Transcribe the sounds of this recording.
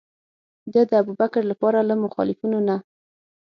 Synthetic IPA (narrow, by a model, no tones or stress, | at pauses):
d̪əd̪əabubakɾlapɑɾalamʊxɑ̰lɪfinona